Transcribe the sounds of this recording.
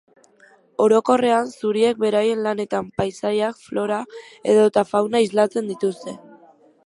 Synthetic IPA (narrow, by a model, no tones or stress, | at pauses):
o̞ɾo̞ko̞re̞ansuɾie̞k̚be̞ɾaje̞nlane̞t̪ampajsaɾjakflo̞ɾa | e̞ðo̞t̪afawnaizlat͡se̞nd̪it̪ust̪e̞